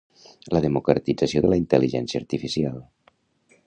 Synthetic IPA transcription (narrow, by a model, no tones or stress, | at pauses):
ləðəmukɾə̰t̪id͡zasioðələint̪əliʒɛ̰nsiəːɾt̪ifisialˠ